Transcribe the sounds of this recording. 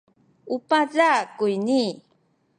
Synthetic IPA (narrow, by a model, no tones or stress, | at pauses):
upazakujni